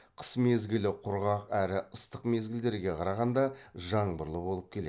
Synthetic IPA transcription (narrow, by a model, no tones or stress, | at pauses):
qʰə̥smezɡʲɪlɪqʰʊɾʁɑqæɾɪəst̪əqme̞zɡʲɪld̪e̞ɾɡʲe̞qʰɑɾɑʁɑnd̪ɑʒɑɴbʊɾlˠəbo̞lˠəp̚kʲʰe̞lḛ